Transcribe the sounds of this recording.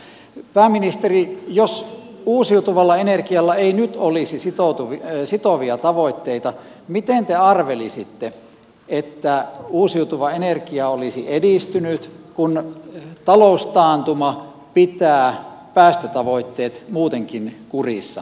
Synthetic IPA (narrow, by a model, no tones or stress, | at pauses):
pæːminist̪erijos | uːsiut̪uʋɑlːɑenerkiɑlːɑeinyt̪olisisit̪ot̪uʋsit̪oʋiɑt̪ɑʋoit̪ːeit̪ɑ | mit̪ent̪eɑrʋelisit̪ːe | et̪ːæuːsiut̪uʋɑenerkiɑolisiʔediˑst̪ynyt̪kunt̪ɑloˑust̪ɑːnt̪umɑ | pit̪æː | pæːst̪øt̪ɑʋoit̪ːeːt̪muːt̪eŋkinkurisːɑ̰